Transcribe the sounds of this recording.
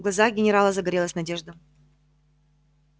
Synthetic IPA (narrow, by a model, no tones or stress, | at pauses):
ɡlˠɐzaxɡʲɪnʲɪɾalˠəzəɡɐɾʲelˠəsʲnɐdʲe̞ʐd̪ə